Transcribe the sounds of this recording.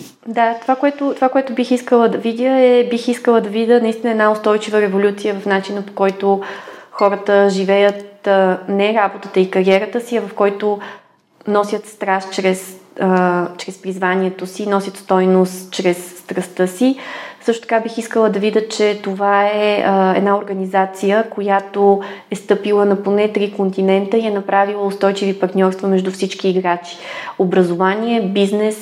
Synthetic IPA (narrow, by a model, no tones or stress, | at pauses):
d̪at̪ovakoɛt̪ot̪ovakoɛt̪ʊbixiskəlˠəd̪ɐvid̪ʲəɛbixiskəlˠəd̪ɐvid̪ʲənɐist̪ʲinɛd̪naost̪ɔjt͡ʃivəɾɛvolʲut̪sijəvɐfnat͡ʃinəpo̥kɔjt̪o | xɔɾət̪əʒivɛjət̪nɛɾabot̪ət̪əikɐɾiɛɾət̪əsiɐvɐfkɔjt̪o | nɔsʲət̪st̪ɾast͡ʃɾɛsət͡ʃɾɛspɾizvanʲiɛt̪osinɔsʲjət̪st̪ɔjnost̪t͡ʃɾɛsːt̪ɾɐst̪ɤsisɤʃt̪o̥t̪ɐ̥kabixiskəlˠəd̪ɐvid̪ʲət͡ʃɛt̪ovaɛɛd̪naoɾɡənizat̪sijəkojat̪oɛst̪ɤpilˠənɐponɛt̪ɾikont̪inɛnt̪əiɛnɐpɾavilˠəost̪ɔjt͡ʃivipɐɾt̪nʲɔɾst̪vəmɛʒd̪ufsit͡ʃkiːɡɾat͡ʃi̥obɾɐzovaniɛbiznɛs